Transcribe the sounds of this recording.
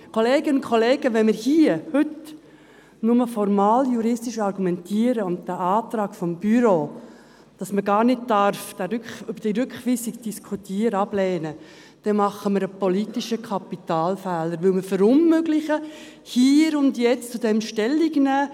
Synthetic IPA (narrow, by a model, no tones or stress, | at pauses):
kʰoleːɡənʊnkʰɔleːɡəʋɛnməɾhiːəhʏt | nʊməfɔɾmɑːljuɾɪstiʃɑɾɡumɛntʰiːəɾəʊnt̚d̥æʔɑːtɾɑːɡ̥fɔmbyɾoː | d̥ɑsməɡɑːɾnɪt̚d̥ɑɾfd̥æɾʏkʏbəɾd̥iɾʏkχʋisikd̥iskʰutiːəɾəɑb̥lɛːnə | d̥ɛnmɑχəməɾəpɔlitiʃəkʰɑpitɑːlfæːləɾʋɵlməfəɾʊmmøɡlɪχə | hiːɾʊndjɛt͡st͡sudɛmʃtɛlːiɡnæː